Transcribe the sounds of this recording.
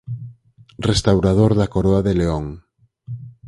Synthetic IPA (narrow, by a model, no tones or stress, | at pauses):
rest̪awɾað̞oɾðakoɾoaðeleoŋ